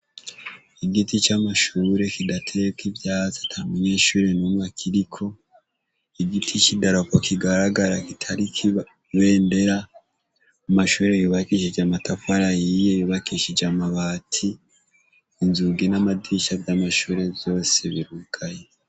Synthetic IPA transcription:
iɡitit͡ʃamaʃuːɾe̞kidatʰekivjaːt͡sḁtʰaɾmuɲe̞ːʃuːɾe̞numwakʰiɾikʰo̞ | iɡitʰit͡ʃidaɾokokʰiɡaɾaɡaɾakitʰaɾikʰi | βe̞ːnde̞ɾa | umaʃuːɾejuβakiʃid͡ʒamatʰafaɾajijejuβakiʃid͡ʒamaβatʰiː | nzuɡenamadiʃabjamaʃuːɾe̞vjo̞ːseβiɾukʰaje

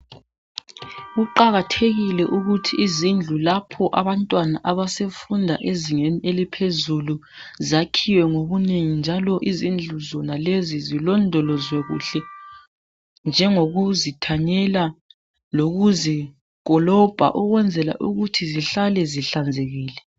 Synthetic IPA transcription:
ɣuǃaɣatʰeɣilɛʔuɣutʰiːzind͡ɮʱulapʰɔʔaβantʼwanaʔaβasefundʱaʔeziŋeniʔelipʰezulu | zakʰiwɛŋoβuneŋind͡ʒʱalɔʔizind͡ɮʱuzɔnalezizilɔndʱɔlɔzwɛɣṵɬɛ | nd͡ʒʱɛŋoɣuzitʰaɲɛla | loɣuzi | kɔlɔb̥ʱa̰ʔuɣwɛnd͡zʱɛla̰ʔuɣutʰiziɬalɛziɬand͡zʱeɣiːlɛ

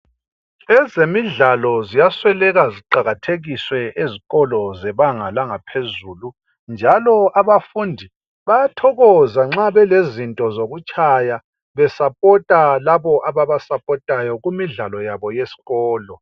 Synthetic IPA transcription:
ɛzemiɮalɔzijaswɛlɛɣaziǃaɣatʰeɣiswɛʔeziɣɔlɔzɛβaŋalaŋapʰezuːlu | nd͡ʒʱalɔaβafundʱi | βajatʰɔɣɔzaŋ͡ǁaβɛlezintʼɔzoɣut͡ʃʼaja | βɛsapʼɔtʼalaβɔʔaβaβasapʼɔtʼajɔɣumiɮalɔjaβɔjesi̥ɣɔːlɔ

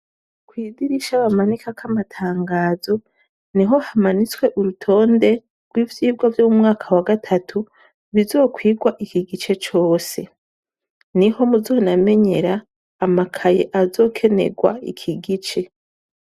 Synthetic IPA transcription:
kwiːɡiɾiʃaβamanikakamatʰaːŋɡaːzo̞ | niɦo̞hamanit͡swe̞ʔuɾutʰo̞ːnde̞ | ɡ̥wiːvjiːbɡwavjomumŋaːkʰawaɡatʰatʰu | βizo̞ːkwiːɡwaʔikiɡit͡ʃe̞t͡ʃo̞ːse̞ | niho̞muzo̞name̞ɲe̞ɾaː | makʰajeʔazo̞ːkʰe̞nḛɡwa̰ḭkʰiɡit͡ʃe̞

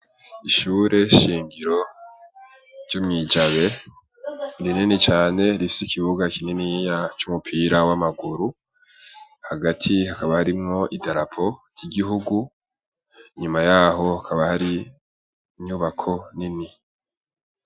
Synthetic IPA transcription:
iʃuːɾe̞ʃiːŋɡiɾo̞ | ɾɟ̥umŋiːd͡ʒaβe̞ | ndininit͡ʃaːne̞ɾifi̥sikʰiβuɡakininijat͡ʃumupʰiɾawamaɡuɾu | haɡatʰihakaβahaɾimŋo̞ʔidaɾapʰo̞ɾɟ̥iɡiɦuɡu | iɲumajaːɦo̞akʰaβahaɾiː | ɲuːβakʰo̞nini

